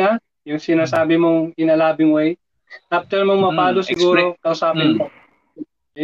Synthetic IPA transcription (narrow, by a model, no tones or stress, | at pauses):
a | jʊŋsɪnaːsaːbɪmoŋɪnalaːbɪŋwaj | ʔaft̪ɛɾmoŋmɐpaːlosɪɡuːɾokɐʊsaːpɪnmo